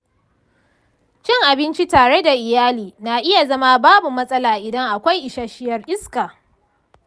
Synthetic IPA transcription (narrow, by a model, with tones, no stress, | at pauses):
t͡ʃɪ˦ŋʔa˨bɪ˦nt͡ʃi˦taː˨ɽe˦da˨ʔɪ˨jaː˦liː˨na˨ʔɪ˦ja˨zɐ˦ma˦baː˦bu˨mɐ˦sʼɐ˦laː˨ʔɪ˨dɐ˦ŋʔa˨kʷa˦jʔɪ˨ʃaː˦ʃɪ˦jɐ˨rʔɪ˦skaː˨